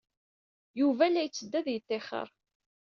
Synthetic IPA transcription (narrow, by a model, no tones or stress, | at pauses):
juvælːæjət͡sːəd̪ːæðjət̪ːeχə̰ɾˤ